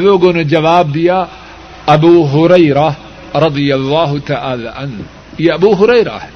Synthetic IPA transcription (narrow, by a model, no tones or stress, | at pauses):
ðoɡonad͡ʒawaːbja | ʔabuːɦʊɾajɾa | ɾˤɑd̪ˤɨjalˤːɑːɦt̪aʕaːla̰ːʕan | jaʔabuːɦʊɾajɾa̰